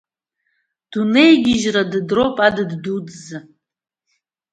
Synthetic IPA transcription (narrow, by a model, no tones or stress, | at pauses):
d̥une̞jɡʲɪʒradɨdrowpʼadɨddutʼzɨ